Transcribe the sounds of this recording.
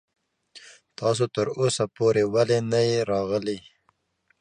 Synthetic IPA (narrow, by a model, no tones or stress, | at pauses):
t̪ɑs̬ot̪əɾosapoɾewalenajeɾɑɣəli